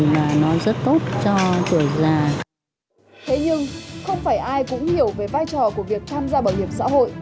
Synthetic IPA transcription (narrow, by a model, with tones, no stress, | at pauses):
maː˨˩nɔ˨˦zə˦˥t̚t̪o˦˥t̚t͡ɕɔ˧t͡ɕɨ˧˩əzaː˧˩ | t̪ʰe˨˦ɲɨ˧ŋxə˧wŋ͡mfaː˧˩jʔaː˧jkʊ̰˧˥ŋ͡mhi˧˩əwve˨˩vaː˧jt͡ɕɔ˨˩ku˧˩əvi˨˩ək̚t̪ʰaː˧mzaː˧ɓaː˧˩whi˨˩əp̚sa̰ː˧˥ho̰˧˨jʔ